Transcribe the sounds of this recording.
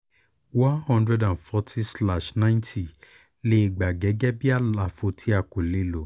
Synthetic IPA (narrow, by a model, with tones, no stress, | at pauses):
wã˦nhɔ̃˦ndɾɛ˧dã˨nfɔ˧tʰi˦sla˨ʃnã˦ɪ̃ntʰi˨ | le˦i˧ɡ͡ba˨ɡɛ˨˦ɡɛ˦bi˦a˦˨la˨˦fo˧tʰi˨˦a˧ko˨le˨˦lo˨˦